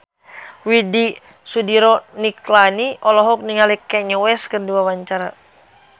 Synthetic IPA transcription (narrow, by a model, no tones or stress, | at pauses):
widi | sudiɾɔniklaniʔɔlɔɦɔk̚niŋalikɛɲɔwɛskɨrdiwawaɲt͡ʃaɾa